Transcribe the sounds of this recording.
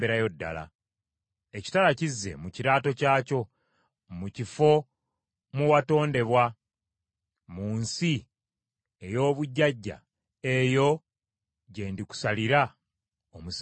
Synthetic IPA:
beɾajo̞dːa̰la̰ | eci̥talacizːe̞̰muciɾaːto̞caːco̞ | mucifo̞ | muwato̞ːnde̞βwa | muːnsi | ejo̞ːβuɟːaɟːa̰ | e̞jo̞ | ɟe̞ːndiku̥saliɾa | omus

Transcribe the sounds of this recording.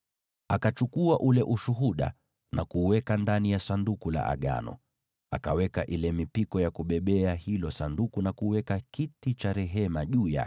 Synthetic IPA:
akat͡ʃukuaʔulɛʔuʃuɦuɗa̰ | nakuwɛkandanijasandukula̰ʔa̰ɠa̰nɔ̰ | akawɛkaʔilɛmipikɔjakuɓɛɓɛahilɔsandukunakuwɛkakitit͡ʃaɾɛɦɛmaʄuːja̰

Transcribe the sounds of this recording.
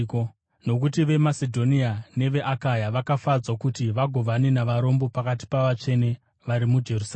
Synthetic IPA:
k | no̞k̬utiʋe̞masedʱo̞niane̞ʋe̞ʔakajaʋakafad͡zwakutiʋaɡʱo̞ʋanenaʋaɾo̞mbo̞pakati̥paʋat͡ʂe̞ne̞ | ʋaɾimud͡ʒe̞rus

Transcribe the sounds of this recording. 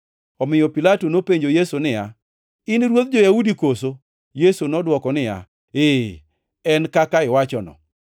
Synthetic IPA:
ɔmɪjɔpilatonopeɲd͡ʒojesonɪja̰ | ɪnɾwot̪̚d͡ʒɔjaudikoso | jesonɔdwɔkɔnɪja̰ | e | ɛnkakaɪwat͡ʃɔnɔ̰

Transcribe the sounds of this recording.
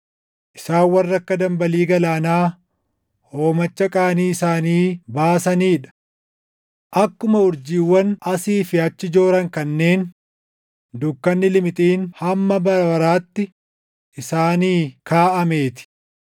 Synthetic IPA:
ʔɪsaːwɐrːɐkːɐd̪ɐmbɐliːɡɐlaːnaː | ho̞ːmɐt͡ʃːɐkʼaːniːɪsaːniːbaːsɐniːᶑɐ̥ | ʔɐkːʊmɐʊɾd͡ʒiːwːɐnɐsiːfɪɐt͡ʃːɪd͡ʒo̞ːɾɐŋkɐnːe̞ːn | d̪ʊkːɐnːɪlɪmɪt̪ʼiːnhɐmːɐbɐɾɐbɐɾaːt̪ːɪ | ʔɪsaːniːkʰaːʔɐme̞ːt̪ɪ̥

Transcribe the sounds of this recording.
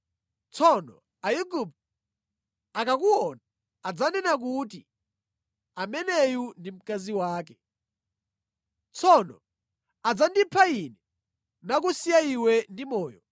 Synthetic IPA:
t͡sʰɔnɔ | ajuɡup | akak̬uwɔnaː | d͡zanɛnak̬ut̬i | amɛnɛjundim̩kaziwaːkɛ | t͡sʰɔnɔ̰ | ad͡zandipʰainɛ | nak̬usijaiwɛndimɔːjɔ

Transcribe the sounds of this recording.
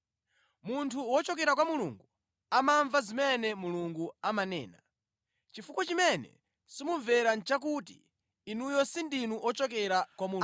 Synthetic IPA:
muntʰuwɔt͡ʃɔk̬ɛɾak̬wamulṵŋɡu | amaɱvazimɛnɛmuluŋɡuamanɛ̰ːna | t͡ʃifukɔt͡ʃimɛnɛ̰ | simuɱvɛɾant͡ʃak̬ut̬ḭː | nujɔsindinuʔɔt͡ʃɔk̬ɛɾakwamu

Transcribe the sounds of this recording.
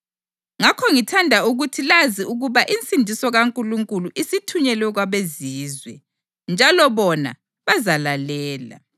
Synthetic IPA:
ŋakʰɔŋitʰandʱauɣutʰilaziuɣuβaʔint͡sʼindʱisɔɣaŋkʼuluŋkʼuluʔisitʰuɲɛlwɛɣwaβeziːzwɛ | nd͡ʒʱalɔβɔna̰ | βazalalɛːla̰

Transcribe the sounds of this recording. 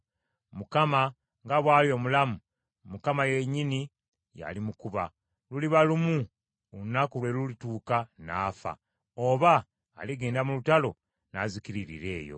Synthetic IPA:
mukama | ŋɡaβwaːljo̞mulamu | mukamajeɲini | ja̰limukuβa | luliβalumu | onakulwe̞lulituːkanaːfa̰ | oβa̰ː | liɡeːndamulutalo̞ | nazikiɾiɾḭɾe̞̰ːjo̞̰

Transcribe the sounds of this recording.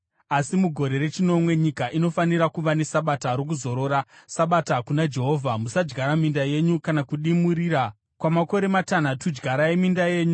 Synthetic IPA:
asimuɡʱo̞ɾe̞ɾe̞t͡ʃino̞mwe̞ɲikaʔino̞faniɾakuʋane̞saɓataɾok̬uzo̞ɾo̞ɾasaɓatakunad͡ʒe̞ɦo̞ːvʱamusad͡ʒɡʱaɾamindaje̞ɲukanakuɗimuɾiɾa | kwamako̞ɾe̞matan̤atud͡ʒɡʱaɾaje̞mindaje̞ːɲu

